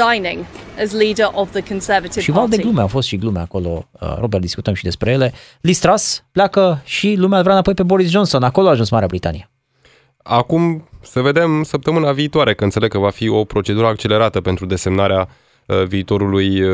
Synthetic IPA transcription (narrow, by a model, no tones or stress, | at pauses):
ãɪ̃nɪ̰̃ŋəzliːdəɹʔəvðəkʰə̃nsɜːvətɪv̥ʃivvald̪e̞ɡlumeafo̞st̪ʃiɡlumea̰ko̞lo̞̰əɾobertd̪iskut̪əmʃid̪e̞spɾe̞jele̞ | list̪ɾaspleakəʃilumeavɾanapo̞jpe̞bo̞ɾis̬dd͡ʒo̞nso̞nako̞loaːʒunsmaɾeabɾit̪a̰nije | akumsəve̞d̪e̞msəp̚t̪əmɨnaviːt̪owaɾe̞kəɨnt̪seleɡ̚kəvafio̞pɾo̞t͡ʃe̞d̪uɾəak̚t͡ʃe̞le̞ɾat̪əpe̞nt̪ɾud̪e̞se̞mnaɾea | viːt̪o̞ɾuluj